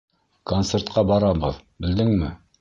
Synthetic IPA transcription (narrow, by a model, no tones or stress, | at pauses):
kont̪sert̪̚qɑbɑɾɑbɤðbɘ̆ld̪ɘŋmɘ